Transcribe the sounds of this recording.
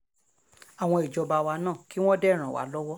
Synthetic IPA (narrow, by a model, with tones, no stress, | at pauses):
a˨w̃ɔ̃˧i˨d͡ʒɔ˧ba˧wa˧nãː˦˨ki˨˦w̃ɔ̃˦dɛ˦˨ɾ̃ã˨wa̰˨˦lɔ˦wɔ˦